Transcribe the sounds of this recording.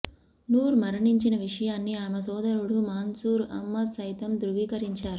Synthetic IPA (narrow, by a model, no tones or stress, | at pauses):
nuːɾmɐɾɐɳiɲt͡ʃinɐʋiʂɐjaːnːiaːmɐsɔːd̪ɐɾuɽumaːnsuːɾɐ̰mːɐt̪sɐjt̪ɐmd̪ɾuʋiːkɐɾiɲt͡ʃaːɾu